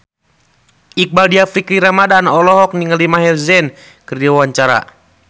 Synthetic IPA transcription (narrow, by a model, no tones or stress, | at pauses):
ik̚baldiafikɾiɾamadanɔlɔɦɔk̚niŋəlimaɦɛlzɛn | kərdawaɲt͡ʃaɾa̰